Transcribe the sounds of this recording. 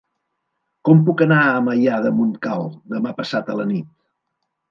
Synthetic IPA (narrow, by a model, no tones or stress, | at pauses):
kɔmpukənaəməʎaðəmunkalˠd̪əmapəsat̪ələnit̪̚